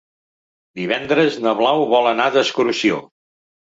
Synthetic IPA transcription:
d̪iβɛnd̪ɾəznəβlawβɔlˠənaðəskɾusio̰

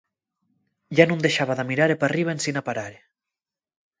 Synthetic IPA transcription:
janund̪eʃaβaðamiɾaɾepariβensinapaɾaɾe

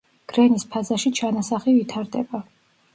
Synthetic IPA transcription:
ɡ̥ɾɛnispʰazaʃit͡ʃʰanasaχivit̪ʰaɾd̪ɛ̰ba

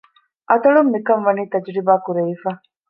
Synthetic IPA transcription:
ʔɐt̪ɐɭumːikɐmʋɐniːt̪ɐd͡ʒɾibaːkuɾeʋifaː

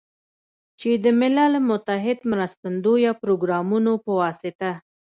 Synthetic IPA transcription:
t͡ʃed̪əmɪlɑlmʊt̪aɦɪd̪mɾast̪and̪ojɑpɾoɡɾɑmunopəwɑsɪt̪a

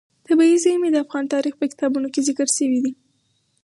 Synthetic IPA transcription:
t̪abɑizamed̪əafɣɑnt̪ɑɾixpəkɪ̥t̪ɑbunokezɪkəɾʃəwid̪i

